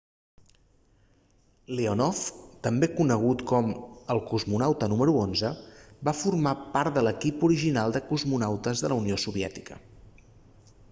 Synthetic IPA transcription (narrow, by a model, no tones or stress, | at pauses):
leonɔft̪əmbekunəɣ̞ut̪kɔməlˠkuzmunawt̪ənuməɾuonzəbafurmapaɾt̪̚d̪ələkipuɾiʒinalˠd̪əkuzmunawt̪əzðələuniosuβiɛ̰t̪i̥kə